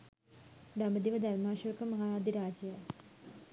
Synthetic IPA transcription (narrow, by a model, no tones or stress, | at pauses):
ɖ̪ɐmɐd̪iʋɐd̪ʱɐɾmaːʃɐkɐmɐɦaːɾaːd̪ʱiɾaːd͡ʑɐjɐ